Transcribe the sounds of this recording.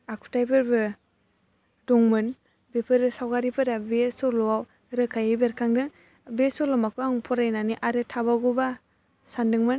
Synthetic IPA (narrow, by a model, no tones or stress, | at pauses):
akʰu̥tʰajpʰɯɾbɯ | dɔŋmɯn | bepʰɯɾɯsawɡaɾipʰɯɾabesɔlɔaw | ɾɯkʰajɯbeɾkʰaŋdɯŋ | besɔlɔmakʰuaŋpʰɔɾajnaniʔaɾɯtʰabawɡuba | sandɯŋmɯn